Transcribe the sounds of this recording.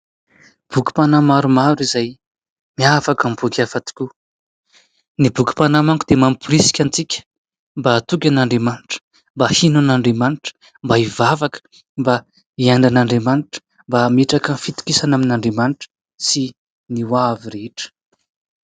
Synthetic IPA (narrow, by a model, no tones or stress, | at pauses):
b̥ukʲi̥panamaɾumaɾizaj | miafakambukʲafat̪i̥kʲu | nibukʲi̥panamaŋkud̪̥emamipuɾisi̥kʲant͡sikʲə̥ | mbaːt̪ukʲanaɳɖ͡ʐemanʈ͡ʂə̥ | mbahinunaɳɖ͡ʐemanʈ͡ʂə̥ | mbaivavakə̥ | mba | ianɳɖ͡ʐanaɳɖ͡ʐemanʈ͡ʂə̥ | mbameʈ͡ʂakənfit̪u̥kisanaminaɳɖ͡ʐemanʈ͡ʂə̥ | si | niwaviɾeiʈ͡ʂə̥